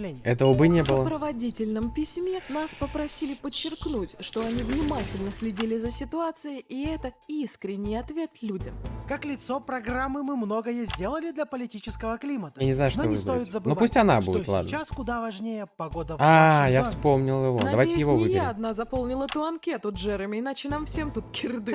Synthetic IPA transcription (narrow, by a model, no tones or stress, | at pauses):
lʲenʲɛt̪əvəbɨnʲebɨlˠəpɾəvɐdʲitʲɪlʲnəmpʲɪsʲmʲe̞naspəpɾɐsʲilʲɪpət͡ɕːɪrknutʲʂt̪o̞ɐnʲivnʲɪmatʲɪlʲnəsʲlʲɪdʲilʲɪzəsʲɪt̪ʊat̪sɨjɪʔiɛt̪əiskɾʲɪnʲːɪjɐt̪vʲe̞t̪lʲudʲəmkaklʲɪt̪sopɾɐɡramːɨmːɨmnoɡəjəzʲdʲe̞lˠəlʲɪd̪lʲɐpəlʲɪtʲit͡ɕɪskəvəklʲimət̪əanʲɪznajʊʂt̪nozsojɪt̪zəbɨnovausʲtʲɐnabud̪ɪot̪lˠa̰d̪t͡ɕːaskʊd̪avɐʐnʲejəpɐɡod̪əajafsspo̞mnʲɪlˠjɪvond̪ɐɐvajtʲɪjɪvovɨjɪɾaɪɐd̪nazɐpo̞lˠnʲɪlˠət̪ʊɐnkʲet̪ʊdʐɛɾɨmʲɪɪnat͡ɕɪnamfsʲe̞mt̪ut̪̚kʲɪrd̪ɨ